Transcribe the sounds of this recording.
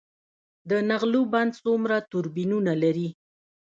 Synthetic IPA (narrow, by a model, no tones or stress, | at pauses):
d̪ənaɣluband̪̚sumɾat̪ʊɾbinunalaɾi